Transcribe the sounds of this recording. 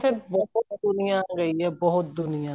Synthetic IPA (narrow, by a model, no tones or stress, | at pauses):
fʰɪɾbɔɦʊt̪d̪ʊnɪjãːɡəiːɦɛːbɔɦʊt̪̚d̪ʊnɪjãː